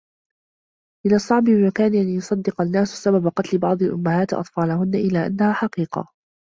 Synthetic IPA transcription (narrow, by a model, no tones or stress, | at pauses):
ʔɪlasˤːɑʕbɪɪmakaːnʔanjʊsˤɑd̪ːɪqanːaːsʊ̥sababaqɑt̪lɪbɑʕd̪ˤɑlʔʊmːahaːt̪ʔɑ̰t̪ˤfɑːlahʊnːaʔɪlaːʔa̰nːahaːħɑqiːqɑ̰